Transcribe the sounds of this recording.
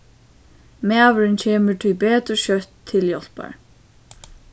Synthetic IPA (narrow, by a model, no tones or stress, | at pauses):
mæːʋəɾɪncʰɛːmɪɹt̪ʰijpɛːt̪ɾʏʃœt̪ʰːɪljɔl̥pa̰ɹ